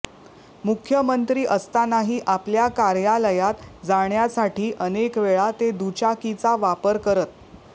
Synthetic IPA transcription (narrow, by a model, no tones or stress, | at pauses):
mukʰjəmənt̪ɾiːʔəst̪anaɦiːʔapljakaɾjaləjat̪d͡zaɳjasaʈiːʔənekʋeɭat̪ed̪ut͡ɕakit͡saʋapəɾkəɾət̪̚